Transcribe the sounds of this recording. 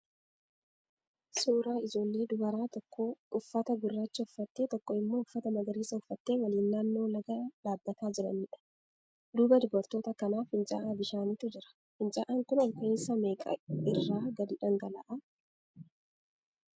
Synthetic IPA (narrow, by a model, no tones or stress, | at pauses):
suːɾaːɪd͡ʒo̞ːlːeːd̪ʊbɐɾaːt̪ɔkːoːʊfːɐt̪ɐɡʊrːaːt͡ʃːɪʊfːɐt̪ːeːt̪ɔkːoɪmːo̞ːʊfːɐt̪ɐmɐɡɐɾiːsɐʊfːɐt̪ːe̞ːwɐliːnːaːnːoːlɐɡaːᶑaːbːɐt̪aːd͡ʒɪɾɐ̰niːᶑɐ̥ | d̪uːbɐd̪ʊbɐɾt̪o̞ːt̪ɐkɐnaːfhɪnt͡ʃʼa̰ːʔaːbɪʃaːniːt̪ʊd͡ʒɪɾɐ̥ | hɪnt͡ʃʼaːʔaːŋkʊnɔlkɐeːsɐme̞ːkʼɐ̰ɪrːaːɡɐd̪ɪᶑɐŋɡɐlɐ̰ʔɐ